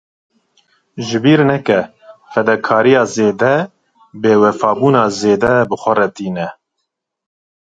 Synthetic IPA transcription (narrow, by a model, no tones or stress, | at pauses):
ʒɨbiːɾnɛkɛ | fɛd̪ɛkʰɑːɾijɑːzeːd̪ɛ | beːwɛfɑːbuːnɑːzeːd̪ɛbɨxʷɛrɛt̪iːnɛ